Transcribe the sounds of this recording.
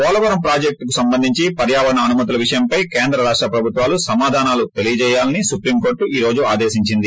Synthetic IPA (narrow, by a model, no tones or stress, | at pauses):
kɔːlɐʋɐɾɐmpɾaːd͡ʒek̚ʈkusɐmbɐnd̪ʱiɲt͡ʃipɐɾjaːʋɐɾɐnɐːnumɐt̪̬ulɐʋiʂɐjɐmpɐjkeːnd̪ɾɐɾaːʂʈɾɐpɾɐbʱut̪ʋaːlusɐmaːd̪ʱaːnaːlut̪e̞lijɐt͡ʃɛːjaːlɐnisupɾiːmko̞ːɾʈuiːɾo̞ːd͡ʒuaːd̪eːsiɲt͡ʃind̪i